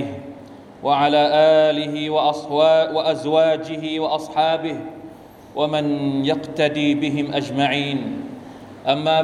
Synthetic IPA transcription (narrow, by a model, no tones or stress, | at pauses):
waʕalaːʔaːlɪɦɪwʔwaʔazwaːd͡ʒɪɦɪwɑʔɑsˤħɑːbɪh | wʔamɪnjaqt̪ad̪iːbɪɦɪmʔad͡ʒmaʕiːn | ʔamːaː